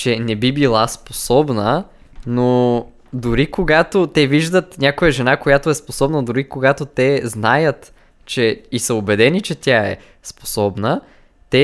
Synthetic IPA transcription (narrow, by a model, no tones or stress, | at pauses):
t͡ʃɛnɛbibilˠasposɔbnə | no | d̪ʊɾikoɡat̪ot̪ɛviʒd̪ət̪nʲakojəʒɛnakojat̪oɛsposɔbnəd̪ʊɾikoɡat̪ot̪ɛznajət̪ | t͡ʃɛisəʊbɛd̪ɛnit͡ʃɛt̪ʲjaɛ̰ | spo̥sɔbnə | t̪ɛ